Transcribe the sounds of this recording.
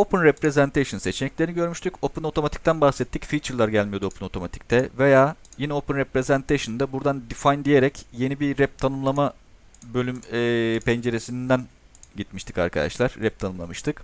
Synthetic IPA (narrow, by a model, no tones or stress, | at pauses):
o̞pɯnɾɛpɾezɛnt̪ʰeʃɯnse̞t͡ʃenɛclʲeɾiniɟø̞ɾmyʃt̪ʰyco̞pɯno̞t̪ʰo̞mat̪ʰi̥c̚t̪ʰænbaxsɛt̪ʰːicfiːt͡ʃʰɯɾlˠaɾɟælʲmijod̪uo̞pʰɯno̞t̪ʰo̞mat̪ʰi̥c̚t̪ʰɛve̞jaːjinɛopɯnɾɛpɾe̞zænt̪ʰeʃɯnd̪ɛbuɾd̪and̪ifajnd̪ije̞ɾɛcje̞nibiɾɛp̚t̪ʰanɯmlˠama | bø̞lʲymɛːpʰɛnd͡ʒe̞ɾe̞sinind̪æn | ɟit̪miʃt̪ʰi̥ka̰ɾkʰad̪a̰ʃlˠaɾ̥ːɛp̚t̪ʰanɯmlˠa̰mɯʃt̪ʰɯk